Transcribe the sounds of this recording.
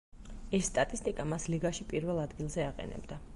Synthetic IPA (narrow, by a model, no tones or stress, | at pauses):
ɛsːt̪ʼat̪ʼist̪ʼikʼamasliɡaʃipʼiɾvɛlˠad̪ɡilˠzɛaqʼɛ̰nɛ̰bd̪a